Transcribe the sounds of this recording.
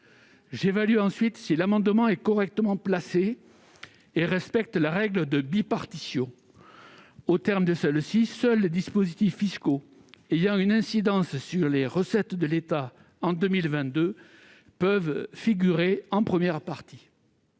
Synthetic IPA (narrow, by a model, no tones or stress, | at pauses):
ʒevalyɑ̃sɥit̪silamɑ̃d̪əmɑ̃ɛkɔʁɛk̚t̪əmɑ̃plase | eʁɛspɛk̚t̪laʁɛɡləd̪əbipaʁt̪isjɔ̃ | ot̪ɛʁmd̪əsɛlsisœlːed̪ispozit̪ifːisko | ejɑ̃ynɛ̃sid̪ɑ̃ssyʁleʁəsɛt̪d̪əlet̪a | ɑ̃d̪ømilvɛ̃t̪̚d̪ø | pœvfiɡʲyʁeɑ̃pχəmjɛʁpaʁt̪i